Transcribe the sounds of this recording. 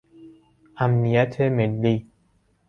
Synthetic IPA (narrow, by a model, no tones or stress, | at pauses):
amniat̪ʰemenli